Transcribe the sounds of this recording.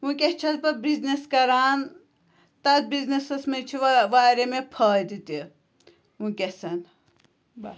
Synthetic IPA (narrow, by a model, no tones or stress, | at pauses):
ũkʲeht͡ʃʰɐt̪bɐbizneskɐɾaːn | t̪ɐt̪biznesɐsmet͡ʃʰiʋʋaːɾemepʰɐːjd̪it̪i | ũkʲesɐn